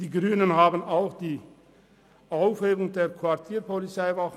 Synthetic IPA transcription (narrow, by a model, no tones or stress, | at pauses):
d̥iːɡʁyːnənhaːbənaʊxd̥iː | ʔaʊfheːbʊŋdeːɐkʰv̥aɐtʰiːpʰɔlit͡saɪvaχ